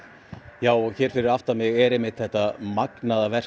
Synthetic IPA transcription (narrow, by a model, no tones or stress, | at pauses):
jaːwɔɣçɛːɾ̥fɪɾɪɾaft̪amɪɣɛɾejmɪht̪θɛht̪amaknaðavɛr̥